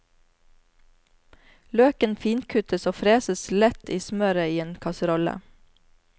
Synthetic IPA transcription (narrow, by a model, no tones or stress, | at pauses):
løːkənfiːnkʰʉt̪əsoːfɾeːsəslɛt̪iːsmœɾəiːeːnkʰɑsɾɔlə̰